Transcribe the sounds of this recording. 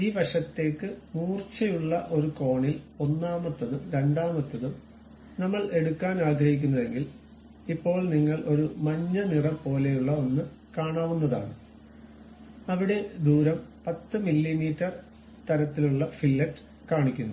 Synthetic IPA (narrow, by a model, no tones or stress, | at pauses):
iːbɐʂɐt̪ːe̞ːkːɨmuːrt͡ɕɐjuɭːɐʔo̞ɾuko̞ːɳilo̞nːaːmɐt̪ːɐðumɾe̞ɳɖaːmɐt̪ːɐðum | nɐmːɐɭʔe̞ɽukːaːnaːɡɾɐhik̬ʲːunːɐðe̞ŋɡil | ipːo̞ːɭniŋːɐɭʔo̞ɾumɐɲːɐnirɐpo̞ːle̞juɭːɐo̞nːɨ | kaːɳaːʋunːɐða̰ːɳɨ | ɐʋiɽe̞d̪uːɾɐmpɐt̪ːɨmilːimiːtːɐr | t̪ɐɾɐt̪ːiluɭːɐfilːɐʈːɨ̥ | kaːɳikʲːunːɐ